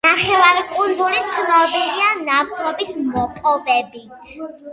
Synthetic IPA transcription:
naχɛvaɾikʼund̪zulit̪sʰnɔbilianavt̪ʼɾɔbismɔpʼɔbɛbit̪ʰ

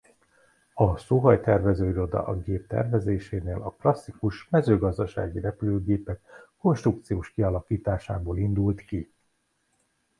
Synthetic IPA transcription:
ɒsoɦɒjt̪ɛrvɛzøːiɾo̞d̪ɒ̰ʔɒɡeːp̚t̪ɛ̰rvɛzeːʃeːneːlɒklɒsːikuʃmɛzøːɡɒzd̪ɒʃa̰ːɡirɛpyløːɡeːpɛkː | o̞nʃt̪ruk̚t̪sijoːʃkiɒlɒkiːt̪aːʃaːboːlind̪ult̪ki

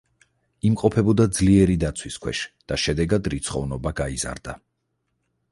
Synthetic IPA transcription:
imqʼɔpʰɛbɔd̪ad̪zliɛɾid̪at̪sʰwiskʰwɛ̰ʃd̪̥aʃɛd̪ɛɡad̪ɾit̪sʰχɔvnɔbaɡaiza̰ɾd̪a

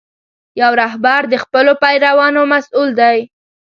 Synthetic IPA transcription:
jawɾaɦbaɾd̪əxpəlopajɾawɑnomasuld̪aj

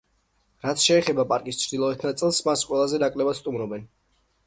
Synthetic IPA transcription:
ɾat̪sʰʃɛːχɛbapʼaɾkʼist͡ʃʰɾd̪ilˠɔɛt̪ʰnat̪sʼɛlˠsmasqʼwɛlˠazɛnakʼlɛbad̪st̪ʼumɾɔbɛn

